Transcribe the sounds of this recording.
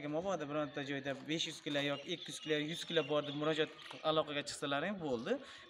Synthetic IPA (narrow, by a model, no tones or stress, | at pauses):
ɡʲɪmɒbɒd̪abɪɾɒɾt̪ʰad͡ʒɒjd̪abe̞ʃjʊz̥kʲɪlajɒkʲɪekʲʰːijyz̥kʲʰɪlajʊzkʲʰɪlabɒɾd̪ɪpmʊɾɒd͡ʒat̪alˠɒqʰɑɡʲat͡ʃʰɨ̥χsalaɾɪŋbolˠd̪ɪ